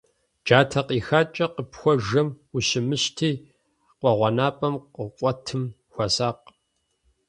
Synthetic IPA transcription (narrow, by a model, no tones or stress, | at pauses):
d͡ʒaːtʰɐqiːxaːt͡ʃʼɐqəpxʷɔʒɐm | uɕɪmɨɕtʰiː | qʷɔʁʷɔnaːpʼɐmqəqʷʼɔtʰɨm | xʷɐsaːq̚